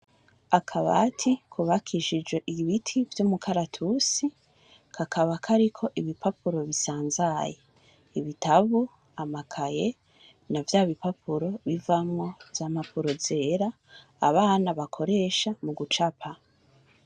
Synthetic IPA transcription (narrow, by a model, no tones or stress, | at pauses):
akʰaβa̰tʰikʰuβakʰiʒid͡ʒwe̞ʔiβitʰivjomukʰaɾatʰusi | kʰakʰaβakʰaɾikʰo̞ʔiβipapuɾo̞βisaːnzaje | iβitaβu | amakʰaje | navjaːβipapʰuɾo̞βivamŋo̞vjaːmapuɾo̞ze̞ːɾaː | βaːnaβakʰo̞ɾe̞ːʃamuɡut͡ʃapʰa